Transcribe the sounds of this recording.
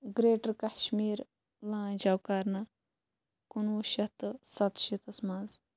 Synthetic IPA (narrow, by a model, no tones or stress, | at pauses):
ɡɾeːʈɾkaʃmiːɾ | lãːd͡ʒawkaɾnɐ | kunuʃɐt̪ɨsɐt̪ʃit̪ɐsmaːz